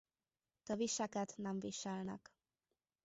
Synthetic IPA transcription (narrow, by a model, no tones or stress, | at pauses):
t̪ɒviʃɛkɛt̪nɛɱviʃɛlnɛ̰k